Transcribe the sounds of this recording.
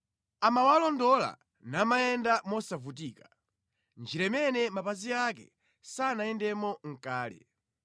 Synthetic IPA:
amawalɔndɔla̰ | namajɛndamɔsavut̬iːkḁ | nd͡ʒiɾɛmɛnɛmapaziak̬ɛ̰ | sanajɛndɛmɔŋ̩kaːlɛ̰

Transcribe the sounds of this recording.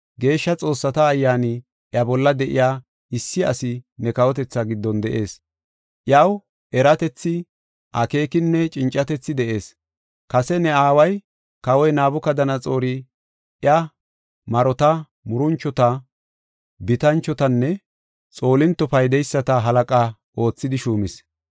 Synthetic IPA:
ɡe̞ːʃːɐt͡sʼo̞ːsːɐt̪ɐːjːaːnɪ | ʔjɐbɔlːɐd̪ɛʔɪ̰jaː | ɪsːɪɐsɪnɛkɐwɔt̪ɛt͡sːɐɡɪd̪ːɔnd̪ɛʔe̞ːs | ʔjɐw | ɛɾɐt̪ɛt͡sːɪ | ʔɐke̞ːkɪnːɛt͡ʃʼɪnt͡ʃʼːɐt̪ɛt͡sːɪd̪ɛʔe̞ːs | kɐsɛnɛaːwɐj | kɐwɔjnaːbʊkɐd̪ɐnɐt͡sʼo̞ːɾɪ | ʔjɐ | mɐɾɔt̪ɐ | mʊɾʊnt͡ʃːɔt̪ɐ | bɪt̪ɐnt͡ʃːɔt̪ɐnːɛ | t͡sʼo̞ːlɪnt̪ːɔpɐjd̪ɛjsːɐt̪ɐɦɐlɐkʼɐ | ʔo̞ːt͡sːɪd̪ɪʃuːmɪs

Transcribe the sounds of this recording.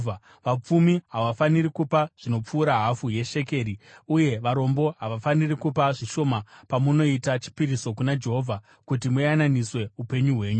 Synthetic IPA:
ʋap͡fumiɦaʋafanirikupaʐ̥ino̞p͡fuːɾaɦafuje̞ʃe̞ke̞ːɾiuje̞ʋaɾo̞mbo̞ɦaʋafanirikupaʐiʃo̞mapamuno̞itat͡ʃi̥piɾiso̞kunad͡ʒe̞ɦo̞vʱa | kutimujananiswe̞upe̞ɲuɦwe̞ːɲu

